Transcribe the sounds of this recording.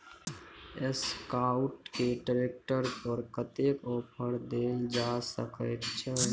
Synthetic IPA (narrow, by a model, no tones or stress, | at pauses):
eskaʊʈkeʈɾek̚ʈəɾpəɾkət̪ekopʰəɾd̪eld͡ʒasə̰kəɪt̪t͡ʃʰə